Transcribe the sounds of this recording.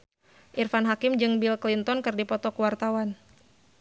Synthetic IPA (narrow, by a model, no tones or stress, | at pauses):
ʔirfanɦakɪmd͡ʒɨŋbilklint̪ɔnkɨrdipɔt̪ɔkuwart̪awan